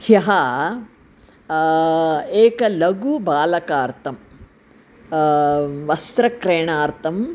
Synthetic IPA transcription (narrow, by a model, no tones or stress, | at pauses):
hjɐɦɐ | eːkɐlɐɡubaːlɐkaːɾt̪ʰɐm | ʋɐst̪ɾɐkɾeːɳaːɾt̪ʰɐm